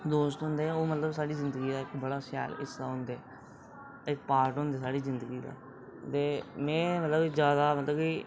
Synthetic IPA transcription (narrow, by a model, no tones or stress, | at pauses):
d̪oːst̪ɦʊ̃nd̪eːoːmət̪ləbsaːɽiːzɪ̃nd̪əɡiːd̪aːɪkbəɽaːsɪja̰ːlɪ̰sd̪a̰ːɦʊ̃nd̪eː | ɪkpaːɾʈɦʊ̃nd̪eːsaːɽiːzɪnd̪əɡiːd̪a̰ː | t̪eːmɛ̃ːmət̪ləbizjaːd̪aːmət̪ləbkiː